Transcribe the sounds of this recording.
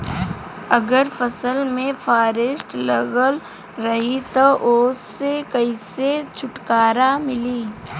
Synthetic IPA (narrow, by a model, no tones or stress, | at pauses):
ɐɡəɾfɐsəlmẽfʰaːɾɪsʈləɡəl | ɾɐɦit̪oʔʊːsːekɐiset͡ʃʰʊʈkaːɾamɪliː